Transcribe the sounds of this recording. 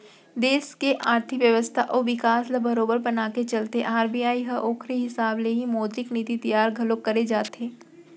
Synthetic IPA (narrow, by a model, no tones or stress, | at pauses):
d̪eːskeʔaːɾt̪ʰɪkʋjəʋəst̪ʰaʔɔːʋɪkaːslɐbɐɾoːbəɾbɐnaːket͡ʃɐlt̪ḛʔaːɾbijaːiɦɐʔoːkʰɾiɦɪsaːbleɦimoːd̪ɾɪkniːt̪it̪ijaːɾɡʱɐlokːɐɾed͡ʒaːt̪eː